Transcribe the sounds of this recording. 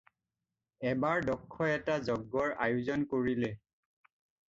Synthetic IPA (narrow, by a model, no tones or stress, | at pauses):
ɛbaɹdɔkʰːɔɛtazɔɡːɔɹajuzɔnkoɹilɛ